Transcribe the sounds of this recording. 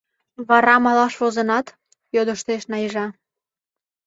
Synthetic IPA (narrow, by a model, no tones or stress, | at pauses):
βɑɾɑmɑlɑʃβozə̆nɑt̪ | jod̪əʃt̪eʃnɑjəʒɑ